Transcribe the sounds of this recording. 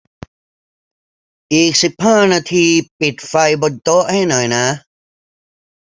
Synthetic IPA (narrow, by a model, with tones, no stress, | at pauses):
ʔiː˨˩k̚si˨˩p̚haː˥˩naː˧t̪ʰiː˧pi˨˩t̪̚fa˧jbo˧nt̪o˦˥ʔha˥˩jnɔ˨˩jna˦˥